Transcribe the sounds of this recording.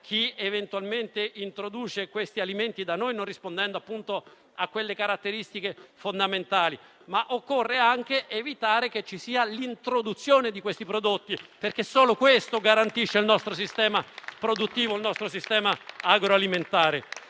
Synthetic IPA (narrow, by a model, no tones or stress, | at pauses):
k̟ʰievent̪ualment̪eʔint̪ɾod̪uːt͡ʃekwest̪ialiment̪id̪anojnonrispond̪ɛnd̪oapːunt̪o | akːwelːekaɾat̪ːeɾist̪ikefond̪ament̪aːli | maʔokːorːeaŋk̟eʔevit̪aːɾeket͡ʃːisiːalint̪ɾod̪ut̪sːjoːned̪ikwest̪ipɾod̪ot̪ːiperkesːoːlokwest̪oɡaɾant̪iʃːeilnɔst̪ɾos̬ist̪ɛːmapɾod̪ut̪ːiːvoilnɔst̪ɾosist̪ɛːmaaɡɾoaliment̪aːɾe